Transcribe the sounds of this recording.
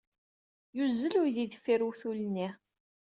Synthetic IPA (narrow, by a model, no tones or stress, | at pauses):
juzːəlʊɾðid̪əfːiɾuθulənːiʁ